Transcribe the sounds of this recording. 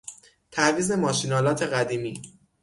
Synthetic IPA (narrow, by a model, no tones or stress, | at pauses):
t̪ʰæviːze̞mɒːʃinɒːlɒːt̪ʰe̞ɣæd̪iːmiː